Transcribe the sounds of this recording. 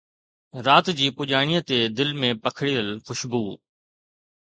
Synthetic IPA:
ɾaːt̪d͡ʑiːpʊʄaːɳ̃ijət̪ed̪ɪlmẽpɐkʰɪɽiəlxʊʃbuː

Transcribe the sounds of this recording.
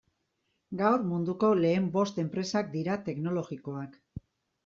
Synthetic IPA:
ɡawɾmund̪uko̞le̞ːmbo̞st̪e̞mpɾe̞sak̚d̪iɾat̪e̞kno̞lo̞ɣiko̞ak

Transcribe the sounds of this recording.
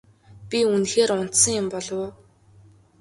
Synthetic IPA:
pʲiunxeːɾʊn̥t̪sə̆ŋjʊmpɔɮɞ̆w

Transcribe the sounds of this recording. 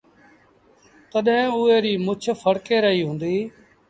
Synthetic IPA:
t̪əɗɦẽːʊːeːɾiːmʊt͡ʃʰpʰəɽkeːɾəɦiːɦũːnd̪iː

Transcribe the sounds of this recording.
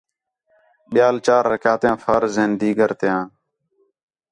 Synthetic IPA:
ɓɪjaːlt͡ʃaːɾːəkjaːt̪jãːfʰəɾzeːnd̪iːɡəɾt̪ɪjãː

